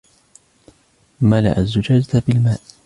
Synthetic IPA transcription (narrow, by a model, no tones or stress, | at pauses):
mala̰ʔa̰zːʊd͡ʒaːd͡ʒat̪bɪlmaːʔ